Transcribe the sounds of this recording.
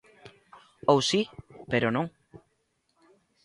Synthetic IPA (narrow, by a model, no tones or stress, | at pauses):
owsipeɾonõŋ